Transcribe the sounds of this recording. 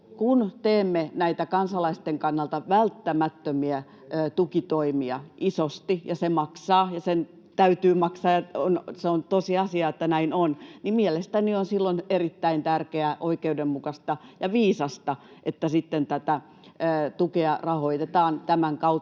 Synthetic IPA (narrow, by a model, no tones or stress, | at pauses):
kunt̪eːmːenæit̪ækɑnsɑlɑist̪eŋkɑnːɑlt̪ɑʋælt̪ːæmæt̪ːømiæ | ʔːt̪ukit̪oimiɑ̰ʔisost̪ijɑsemɑksɑːjɑsen | t̪æyt̪yːmɑksɑːjɑonseont̪osiɑsiɑet̪ːænæinonnimielest̪ænionsilːonerit̪ːæint̪ærkeæʔoikeudemmukɑst̪ɑjɑʋiːsɑst̪ɑʔet̪ːæsit̪ːent̪æt̪æ | əːt̪ukeɑrɑhoit̪et̪ɑːnt̪æmæŋkɑu